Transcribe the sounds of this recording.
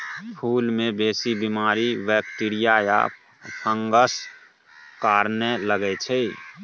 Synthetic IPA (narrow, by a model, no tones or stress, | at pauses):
pʰuːlmebeːsibimaːɾiʋɛk̚ʈiɾijaja̰ | pʰəŋɡəs | kaːɾneləɡɛt͡ʃʰɛ